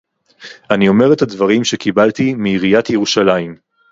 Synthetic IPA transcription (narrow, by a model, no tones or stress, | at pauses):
anio̞me̞ʁethadvaʁimʃe̞kibaltimiiʁijat̪jeʁuʃalaim